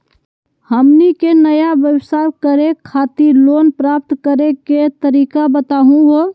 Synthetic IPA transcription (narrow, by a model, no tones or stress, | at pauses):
həmnikenəjabjəbsakəɾekʰːat̪iɾlonpɾap̚t̪kəɾeket̪əɾikabət̪aɦũɦo